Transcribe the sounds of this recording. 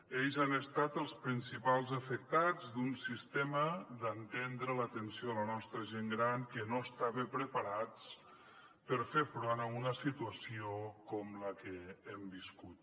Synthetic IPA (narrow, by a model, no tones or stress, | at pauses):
eʎzanəst̪at̪əlˠspɾinsipalˠzəfək̚t̪ad͡zd̪unsist̪eməd̪ənt̪end̪ɾələt̪ənsioðələnɔst̪ɾəʒeŋɡɾankənoəst̪aβəpɾəpəɾat͡s | pəɾfeɾfɾɔnəunəsit̪uəsiokɔmləkəɛmbiskut̪̚